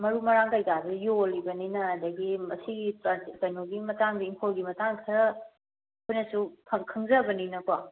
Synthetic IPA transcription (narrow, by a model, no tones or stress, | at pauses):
mɐɾumɐɾaŋkajtabɐjolːibɐninɐdɐɡimɐsiɡipɾatikɐjnoɡimɐtaŋdiːŋpʰolɡimɐtaŋkʰɐɾɐ | kʰojnɐsupʰɐŋkʰɯŋzɐbɐninɐkwa